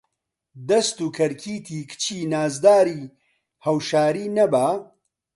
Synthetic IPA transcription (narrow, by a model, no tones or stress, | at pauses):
d̪ɐst̪uːkʰɐɾkʰiːt̪ʰiːkʰt͡ʃʰiːnaːzd̪aːɾiː | hɐwʃaːɾiːnɐbaː